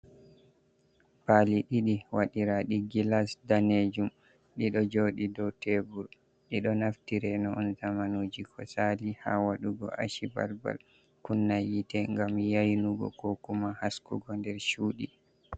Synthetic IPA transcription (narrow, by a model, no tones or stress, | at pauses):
paliɗiɗiwaɗiɾaɗiɡilasdaned͡ʒum | ɗiɗɔd͡ʒoɗidɔwtebuɾ | ɗiɗɔnaftiɾɛnɔʔɔntamanoːd͡ʒikʰɔsaliha̰waɗuɡɔ̰ʔa̰ʃiba̰lba̰l | kunːajitɛŋɡamjajnuɡɔ̰kokumahaskṵɡɔndɛɾʃuːɗi